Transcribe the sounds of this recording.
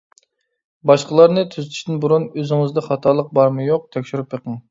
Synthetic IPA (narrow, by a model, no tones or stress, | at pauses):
bɑʃqəlˠɑɾnɨt̪ʰyzyt̪ʰy̥ʃt̪ɪnbuɾunøzɪŋɪzd̪ɑχɑt̪ʰɑɾlˠəq̚bɑɾmɨjoq̚t̪ʰɛkʲʃyɾupjeqəŋ